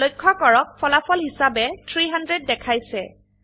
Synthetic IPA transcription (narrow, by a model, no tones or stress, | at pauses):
lojkʰːɔkɔɹɔk̚pʰɔlapʰɔlɦisabɛtʰɹiɦandɹed̚ːɛkʰajsɛ